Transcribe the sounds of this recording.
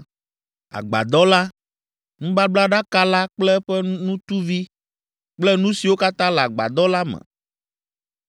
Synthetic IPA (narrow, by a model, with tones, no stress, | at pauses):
a̰˨ɡ͡ba̰˨d̪ɔ˦la˦ | ŋũ˦ba˦bla˦ɖa˦ka˦la˦k͡plɛ˦ɸɛ˦nũ˦t̪u˦vi˦ | k͡plɛ˦nũ˦si˨wo˦ka˦t̪ã˦lɛ˨a˨ɡ͡ba̰˨d̪ɔ˦la˦mɛ̰̃˨